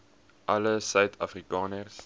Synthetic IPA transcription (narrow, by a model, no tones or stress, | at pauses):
ʔɐləsœɥtʰɐfrikɑːnərs